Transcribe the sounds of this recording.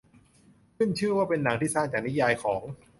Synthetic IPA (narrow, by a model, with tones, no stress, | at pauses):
kʰɯ˥˩nt͡ɕʰɯ˥˩ɐwaː˥˩pe˧nːa˩˦ŋt̪ʰiː˥˩saː˥˩ŋt͡ɕaː˨˩ni˦˥jaː˧jkʰɔː˩˦ŋ